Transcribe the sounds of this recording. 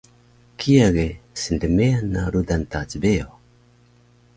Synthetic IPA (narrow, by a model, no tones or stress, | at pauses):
kʰiaɡesindemeanaɾudant̪at͡sbeo